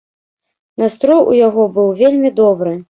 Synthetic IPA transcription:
nast̪ɾɔjṵjaɣɔbɨwvʲelʲmʲid̪ɔbɾɨ

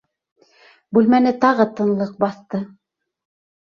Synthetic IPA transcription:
bʉlmænɘt̪ɑʁɤt̪ɤ̆nlˠɤq̚bɑθt̪ɤ

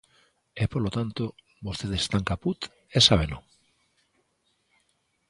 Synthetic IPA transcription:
epolot̪ant̪o | βost̪eðest̪aŋkaput̪ | esaβeno

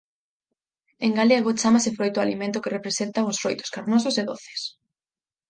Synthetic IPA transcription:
eŋɡaleaɣot͡ʃamasɪfɾojt̪ʊalimẽnt̪ʊkerepɾesent̪aŋʊsfɾojt̪o̥skaɾnos̬ʊseðoθe̥s

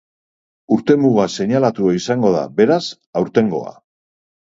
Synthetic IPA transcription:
uɾt̪e̞muɣ̞ase̞ɲalat̪uaisaŋɡo̞ð̞a̰be̞ɾas | awɾt̪e̞ŋɡo̞̰a̰

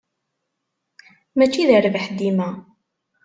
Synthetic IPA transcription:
mæt͡ʃːiðəɾəvəħd̪imæ

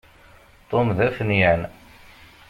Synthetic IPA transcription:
t̪ˤomðæfnijən

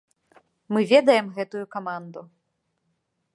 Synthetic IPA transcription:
mɨvʲɛd̪ɐjɛmɣɛt̪ujukamand̪u

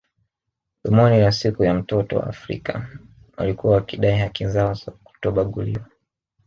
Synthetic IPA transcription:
ɗimɔnilasikujam̩tɔtɔ̰wa̰ːfɾḭka̰ | wa̰likuwawakiɗaihakizaɔzaku̥tɔɓaɠuliwa

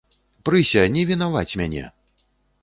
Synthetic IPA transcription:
pɾɨsʲɐnʲɛvʲinavat͡sʲmʲanʲɛ̰

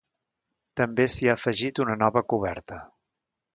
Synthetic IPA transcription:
t̪əmbesiaːfəʒit̪unənɔβəkuβ̞ɛ̰ɾt̪ə

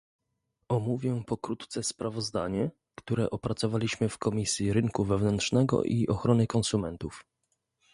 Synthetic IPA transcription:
ɔmuvʲjɛpɔkɾut̪ːt̪sɛspɾavɔzd̪a̰ɲɛ | kt̪uɾɛʔɔpɾat̪sɔvalʲiɕmɘfkɔmʲisʲjiɾɘŋkuvɛvnɛntʂnɛɡɔ̰ʔiʔɔxɾɔnɘkɔnsumɛnt̪uf

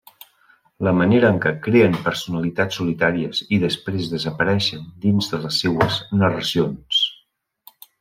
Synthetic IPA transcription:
ləməneɾəːŋkəkɾeəmpəɾsunəlit̪at͡sːulit̪aɾiəziðəspɾezðəzəpəɾɛʃənd̪inzðələsːewəznərəsions

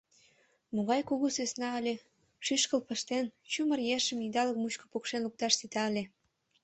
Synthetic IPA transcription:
moɣɑjkuɣusesnɑəlʲe | ʃyʃkəlpə̆ʃt̪ent͡ɕumərjeʃəmid̪ɑləkmut͡ɕkŏ̥pokʃenluk̚t̪ɑʃsit̪ɑəlʲe

